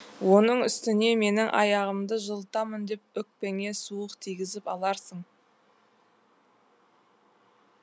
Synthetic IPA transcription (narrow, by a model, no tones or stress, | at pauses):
wo̞nəɴʏst̪ɪne̞me̞nɪŋʔɑ̰jɑʁəmd̪əʒəlˠt̪ɑmənd̪e̞p̚ʏk̚pe̞ŋe̞suəqt̪ʰijɡʲɪzɪpɑlˠɑɾsəɴ